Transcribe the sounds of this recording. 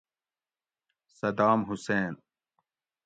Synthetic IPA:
sɐd̪aːmɦuseːn

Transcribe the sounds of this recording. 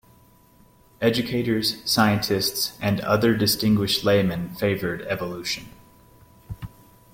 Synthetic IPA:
ɛd͡ʒɨkʰeɪɾə˞z̥saɪɨ̃ntʰɪstsʔɨ̃nʌ̰ðə˞dɨstɪ̃ŋɡwɪʃtˡleɪmɨ̃nfeɪvə˞ɾɛvəluʃɨ̃n

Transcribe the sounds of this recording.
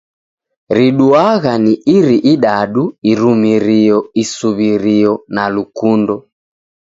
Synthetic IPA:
ɾiɗuaɣaniʔiɾiʔiɗaɗuiɾumiɾiɔisuβiɾiɔnalukundɔ

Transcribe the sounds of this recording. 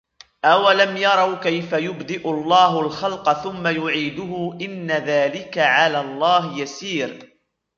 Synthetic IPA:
ʔawalamjɑɾˤɑwkajfajʊbd̪ɪʔʊlˤːɑːɦʊlxɑlqθʊmːajʊʕiːd̪ʊɦʊʔɪnːaðaːlɪkaʕalaːlˤːɑːɦɪjasiːɾ

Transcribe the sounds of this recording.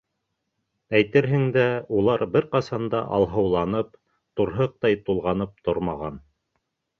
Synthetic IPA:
æjt̪ɘɾɦɘ̆ŋd̪æulˠɑɾbɘɾqɑsɑnd̪ɑ̰ʔɑ̰lˠɦɤ̆wlˠɑnɤp | t̪uɾɦɤq̚t̪ɑjt̪ulˠʁɑnɤp̚t̪oɾmɑʁɑn

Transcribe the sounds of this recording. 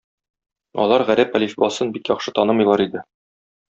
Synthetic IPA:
ɒ̰lˠɑɾʁæɾæpælʲifbɒsɤnbikjɒχʃɤt̪ɒnɤmɤ̆jlˠɑɾid̪ɘ

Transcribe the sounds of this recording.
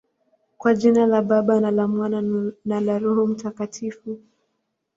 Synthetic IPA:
kwad͡ʒinalaɓaɓanalamwananalaɾuɾum̩takatʰifu

